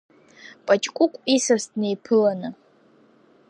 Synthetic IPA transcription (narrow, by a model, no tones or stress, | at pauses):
pʼat͡ʃʼkʷʼʊkʷʼisastnejpʰɨlanɨ